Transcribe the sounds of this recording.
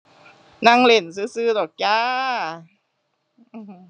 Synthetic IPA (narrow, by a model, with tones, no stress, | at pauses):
na˧ŋle˨˩ns̬ɯː˧˥sɯː˧˩dɔː˨˩k̚jaː˧ | ʔɯː˧˩˧